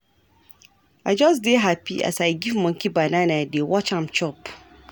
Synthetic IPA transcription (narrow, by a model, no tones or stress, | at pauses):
ad͡ʒɔsdeɦapiʔa̰saɪɡivmɔ̃ŋ̩kʰibanãnãadewɔt͡ʃãmt͡ʃʰɔp